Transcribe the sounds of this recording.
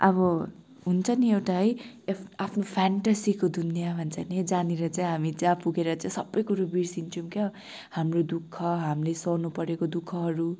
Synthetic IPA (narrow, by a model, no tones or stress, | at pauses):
ʔʌβʌ | ɦunt͡sʰʌniewʈaɦʌj | apʰnopʰaɳʈasikod̪ʱunjabʱʌnt͡sʰʌned͡zaneɾʌt͡saj̃ɦamit͡sapuɡeɾʌt͡saĩsʌbːʌjkuɾobiɾsint͡sʰumkʌ | hamrod̪ukʰːʌɦamlesʌnupʌɾekod̪ukʰːʌɦʌɾu